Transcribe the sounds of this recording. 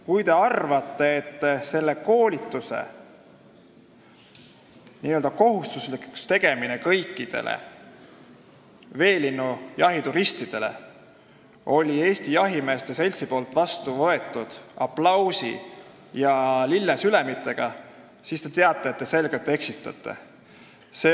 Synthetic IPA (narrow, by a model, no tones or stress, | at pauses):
kujt̪e̞ɑrvɑt̪ːˑe̞et̪ːese̞lːe̞ko̞ːlʲit̪ːˑuse̞̰ | niøld̪ɑko̞ɦust̪usliku̥st̪e̞ɡ̥e̞minekɤjkːˑid̪̥e̞̰lʔḛ | ve̞ːlinːujɑɦit̪uɾist̪id̪̥e̞le̞̰ | o̞lʲie̞ːst̪ijɑɦimeːst̪e̞se̞lʲt̪sipo̞ːlt̪vɑst̪uvɤe̞t̪ˑːud̪̥ɑplɑwsḭ | jɑlilːesylemit̪ːˑe̞ɡ̥ɑ | sist̪e̞t̪e̞ɑt̪ˑːeet̪̚ːe̞se̞lɡ̥elt̪ːˑe̞ksit̪ːˑɑ̰t̪ːˑe̞̰ | se